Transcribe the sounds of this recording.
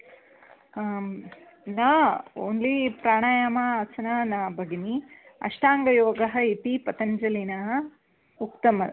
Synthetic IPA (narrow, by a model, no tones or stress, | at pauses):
naːo̰ːnlipɾaːɳaːjamɐasɐnanaːbɐɡini | ɐ̰ʂʈaːŋɡɐjoːɡɐɦɐip̪ipɐt̪ɐɲd͡ʒɐlinaɦɐ | ukt̪ɐmɐ